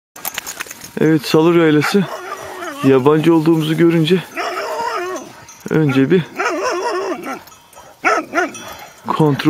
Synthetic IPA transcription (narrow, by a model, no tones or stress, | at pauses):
ɛ̰vɛt̪salˠuɾajlʲasɯ | jaband͡ʒɯo̞lˠd̪uːmuzuɟø̞ɾynd͡ʒɛ | ø̰nd͡ʒɛbi | kʰo̞nt̪ʰɾ